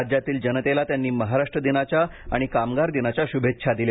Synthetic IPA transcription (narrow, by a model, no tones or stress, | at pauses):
d͡ʑjat̪iːld͡ʑənət̪elat̪janːiːməɦaɾaʂʈɾəd̪inat͡ɕjaa̰ɽ̃ikamɡaɾd̪inat͡ɕjaɕubʱet̪ːɕʰad̪ile